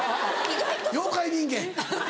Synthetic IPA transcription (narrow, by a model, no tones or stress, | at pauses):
joqʰːɑjd̪iŋɡʲe